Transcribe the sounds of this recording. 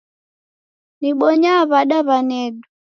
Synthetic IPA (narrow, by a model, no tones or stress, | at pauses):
niɓɔɲaβaɗaβanɛɗu